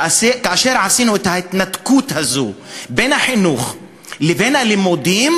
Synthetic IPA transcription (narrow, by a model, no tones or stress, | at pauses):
ʔaseːkaʔaʃeːɾʕasiːnuʔet̪haɪt̪nat̪kuːt̪hazoːbeːnaħɪnuːx | lɪbeːnalɪmod̪ˤiːm